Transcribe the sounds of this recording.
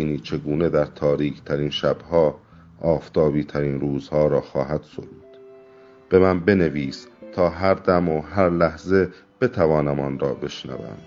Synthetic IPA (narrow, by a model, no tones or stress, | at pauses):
iːniːt͡ʃʰe̞ɡuːne̞d̪æɾt̪ʰɒːɾiːcʰt̪ʰæɾiːnʃæb̥hɒː | ɒːft̪ʰɒːbiːt̪ʰæɾiːnɾuːzhɒːɾɒːxɒːɦæd̪̥so̰ɾuːd̪̥ | b̥e̞mænbe̞ne̞viːst̪ʰɒːɦæɾd̪æmoɦæɾlæhze̞ | b̥e̞t̪ʰævɒːnæmɒnɾɒːbe̞ʃnæ̰væ̰md̪